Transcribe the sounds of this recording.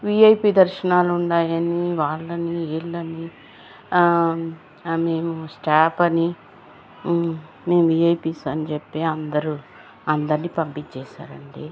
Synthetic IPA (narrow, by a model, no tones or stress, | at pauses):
ʋiːɐjpiːd̪ɐɾʃɐnaːluuɳɖaːjɐniʋaːɭːɐnieɭːɐni | meːmusʈaːpɐni | me̞ːmuʋiːɐjpisɐnit͡ʃepːeːɐnd̪ɐɾu | ɐnd̪ɐɾniːpɐmpit͡ʃːɛːʃa̰ːɾɐɳɖi